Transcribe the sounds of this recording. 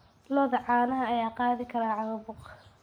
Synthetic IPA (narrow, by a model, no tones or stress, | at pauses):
lɔðɐʕɑːnɐɦɐɐjaːqɑːðɪkʰɐɾaːʕɑɣɐbʊq